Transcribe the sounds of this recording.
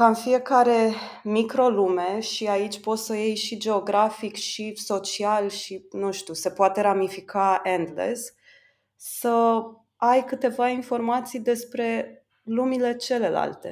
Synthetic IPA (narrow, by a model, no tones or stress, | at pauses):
kaɨnfie̞kaɾe̞mikɾo̞lume̞ʃiait͡ʃʲpo̞t̪səjejʃid͡ʒe̞oɡɾafikʃiso̞t͡ʃialʃinũʃt̪use̞poat̪e̞ɾamifikʰaend̪lḛsː | ə | ajkɨt̪e̞vainfo̞rmat̪sijd̪e̞spɾe̞ | lumile̞t͡ʃe̞le̞la̰lt̪e̞̰